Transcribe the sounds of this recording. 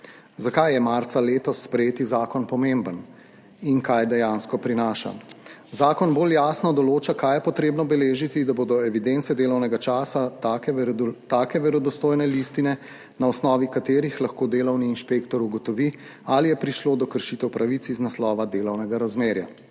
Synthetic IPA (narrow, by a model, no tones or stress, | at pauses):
zakajjɛmaɾt̪saleːt̪ɔsːpɾɛjeːt̪izaːkɔnpɔmembən | inkajd̪ɛjanskɔpɾinaːʃa̰zaːkɔnboljaːsnɔd̪ɔloːt͡ʃakajɛpɔt̪ɾeːbnɔbɛleːʒit̪id̪aboːd̪ɔɛʋid̪ent̪sɛd̪eːlɔwnɛɡat͡ʃaːsa | t̪aːkɛʋɛɾɔd̪ɔst̪oːjnɛlist̪inɛ | naɔsnɔːʋikat̪eːɾixlaxkoːd̪eːlɔwniːnʃpeːkt̪ɔɾuɡɔt̪ɔʋi | alijɛpɾiʃloːd̪ɔkəɾʃit̪ɛwpɾʔaʋit̪siznaslɔːʋad̪eːlɔwnɛɡaɾazmeːɾja̰